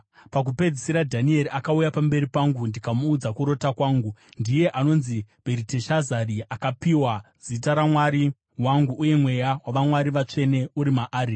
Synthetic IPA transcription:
pak̬upe̞d͡zisiɾadʱanie̞ɾiakaujapambe̞ɾipaŋɡundikamuːd͡zakuɾo̞takwaːŋɡundije̞ʔano̞nzib̥ʱeɾiteʃazariakapiwazitaɾamwaɾi | waŋɡuʔːje̞mwe̞jawaʋamwaɾiʋat͡ʂe̞ne̞uɾimaʔaːɾi

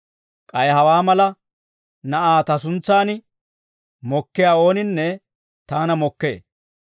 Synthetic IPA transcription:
kʼɐjhɐwaːmɐlɐ | nɐʔaːt̪ɐsʊnt͡sːaːnɪ | mɔkːɪjaːo̞ːnɪnːɛ | t̪aːnɐmɔkːḛː

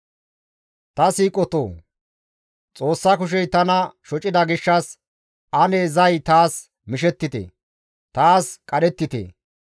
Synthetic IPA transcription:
t̪ɐsiːkʼɔt̪o̰ː | t͡sʼo̞ːsːɐkʊʃ̬ɛjt̪ɐnɐʃɔt͡ʃʼɪd̪ɐɡɪʃːɐs | ʔɐneːzɐjt̪aːs | mɪʃɛt̪ːɪt̪ḛ | t̪aːskʼɐɗɛt̪ːɪt̪ḛː

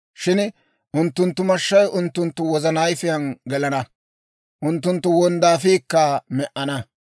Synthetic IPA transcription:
ʃɪn | ʔʊnt̪ːʊnt̪ːʊmɐʃːɐjʔʊnt̪ːʊnt̪ːʊwɔzɐnɐjfɪjɐnɡɛlɐnɐ | ʔʊnt̪ːʊnt̪ːʊwɔnd̪aːfiːkːɐmɛʔɐnɐ

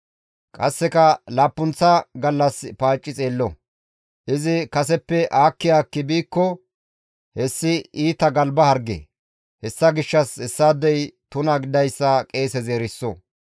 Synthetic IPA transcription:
kʼɐsːɛkɐlaːpːʊnt͡sːɐɡɐlːɐspaːt͡ʃʼːɪt͡sʼe̞ːlːɔ | ʔɪzɪkɐsɛpːɛʔaːkːɪjaːkːɪbiːkːɔ | hɛsːɪiːt̪ɐɡɐlbɐhɐɾɡḛ | hɛsːɐɡɪʃːɐsɛsːaːd̪ɛjt̪ʊnɐɡɪd̪ɐjsːɐkʼe̞ːsɛzeːɾɪsːɔ

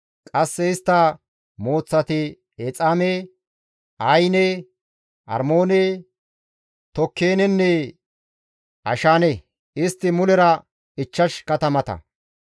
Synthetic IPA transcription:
kʼɐsːɛɪst̪ːɐ | mo̞ːt͡sːɐt̪ɪ | ɛt͡sʼame | ɐjne | ʔɐ̰ɾmo̞ːne | t̪ɔkʰːeːnɛnːɛ | ɐʃaːne | ɪst̪ːɪmʊlɛɾɐ | ɪt͡ʃːɐʃkɐt̪ɐmɐt̪ɐ̰

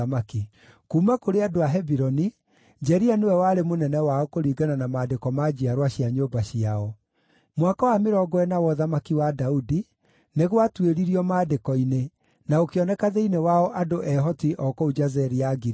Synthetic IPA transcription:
maki | kuːmakoɾeadoaɦɛbiɾɔni | d͡ʒɛɾianewɛwaɾemonɛnɛwaɔkoɾiːɡananamaːdekɔmad͡ʑiaɾwaɕiaɲoːbaɕiaɔ | mwakawameɾɔɡɔɛnawɔðamakiwadaudi | neɣwatweɾiɾiɔmaːdekɔine | naokeɔnɛkaðeinewaɔʔadoʔɛɦɔtiʔɔkɔud͡ʒazɛɾiaɡi

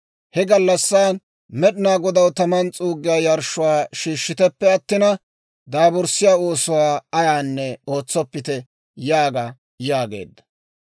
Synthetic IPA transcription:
hɛɡɐlːɐsːaːn | mɛɗɪnaːɡɔd̪ɐwt̪ɐmɐnt͡sʼuːɡːɪjaːjɐɾʃʊwaːʃiːʃːɪt̪ɛpːɛɐt̪ːɪnɐ | d̪aːbɔɾsɪjaːoːsʊwaːɐjaːnːɛo̞ːt͡sːɔpːɪt̪ɛ | jaːɡa | jaːɡḛːd̪ːɐ̥

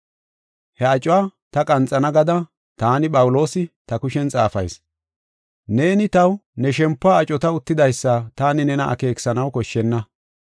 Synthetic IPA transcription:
hɛɐt͡ʃʼwaːt̪ɐkʼɐnt͡sʼːɐnɐɡɐd̪ɐ | t̪aːnɪpʼɐwʊlo̞ːsɪt̪ɐkʊʃɛnt͡sʼaːfɐ̰js | ne̞ːnɪt̪ɐwnɛʃɛmpːaːt͡ʃʼɔt̪ɐʊt̪ːɪd̪ɐjsːɐt̪aːnɪnɛnɐʔɐ̰ke̞ːksɐnɐwkɔʃːɛnːɐ

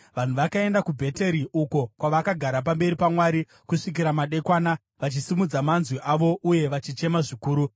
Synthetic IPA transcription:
ʋan̤uʋakae̞ndakubʱe̞te̞ɾiʔuko̞kwaʋakaɡʱaɾap̬ambe̞ɾipamwaɾi | kuʂik̬iɾamaɗe̞kwaːna | ʋat͡ʃisimud͡zamanzwiʔaʋo̞ʔuje̞ʋat͡ʃit͡ʃe̞maʐikuːɾu

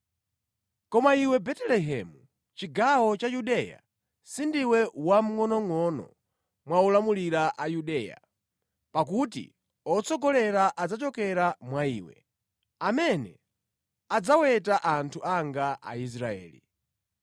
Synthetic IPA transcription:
kɔmaiwɛbɛtɛlɛɦɛmu | t͡ʃiɡawɔt͡ʃajuɗɛja̰ | sindiwɛwam̩ŋɔnɔŋɔnɔ̰ | mwaulamuliɾaʔajuɗɛja̰ | pak̬utḭ | ɔt͡sɔɡɔlɛɾaʔad͡zat͡ʃɔkɛɾamwaiːwɛ̰ | amɛnɛ̰ | ad͡zawɛtaʔantʰuaŋɡaʔa̰is̬ɾaɛ̰ːlḭ

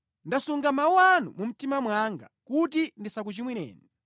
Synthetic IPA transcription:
ndasuŋɡamawanṵmum̩timamwaŋɡa̰kut̬indisak̬ut͡ʃimwinɛ̰ːni

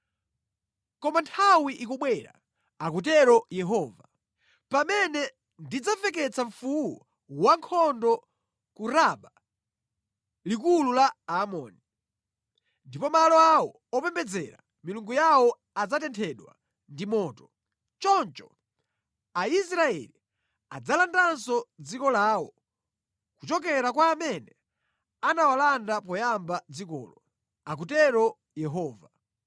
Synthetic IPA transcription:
kɔmantʰawiʔikɔɓwɛɾa̰ | akut̬ɛɾɔjɛɦɔːva | pamɛnɛ | ndid͡zavɛk̬ɛt͡saɱfuwɔ | waŋkʰɔndɔ | kuɾaɓa | likululaamɔ̰ːni | ndipɔmalɔawɔ | ɔpɛmbɛd͡zɛɾa̰ | miluŋɡujawɔ | ad͡zatɛntʰɛɗwa̰ | ndimɔːtɔ | t͡ʃɔnt͡ʃɔ | aisɾaɛ̰li | ad͡zalandansɔd͡zikɔlaːwɔ | kut͡ʃɔk̬ɛɾakwaːmɛnɛ | anawalandapɔjambad͡zikɔ̰ːlɔ | ak̬utɛɾɔ | jɛɦɔːva

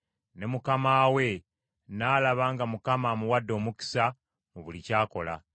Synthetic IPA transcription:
ne̞mukamaːwe̞ | naːlaβaːŋɡamukamamuwadːo̞ːmuki̥sa | moβulicaːko̞̰la̰

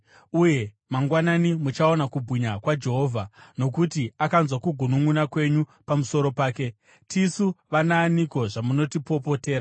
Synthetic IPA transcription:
uje̞ | maŋɡwananimut͡ʃao̞nakubʱwiɲakwad͡ʒe̞ɦo̞ːvʱano̞k̬utiakanzwakuɡʱunuŋunakwe̞ɲupamuso̞ɾo̞paːke̞ | tʰisuʋanaːniko̞ʐamuno̞tipo̞po̞te̞ːɾa

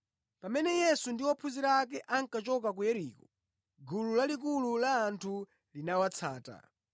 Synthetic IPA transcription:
pamɛnɛjɛsundiwɔpʰuziɾakɛʔaŋkat͡ʃɔk̬ak̬ujɛɾiːkɔ | ɡululalik̬ululaːntʰu | linawat͡sʰa̰ːta̰

